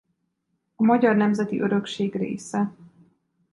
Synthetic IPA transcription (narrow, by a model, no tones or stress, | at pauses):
ɒmɒɟɒrnɛmzɛt̪ḭʔøɾø̞kʃeːɡrḛːsɛ